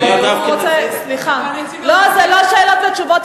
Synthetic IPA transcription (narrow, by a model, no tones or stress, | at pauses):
otɛsliχa | lozɛloʃeːlot̪vet͡ʃuvot̪